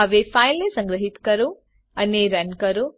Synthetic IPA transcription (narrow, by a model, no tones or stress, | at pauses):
ɐʋefaːilnesɐ̃ŋɡɾəɦit̪kɐɾu | ɐneɾɐnkɐɾu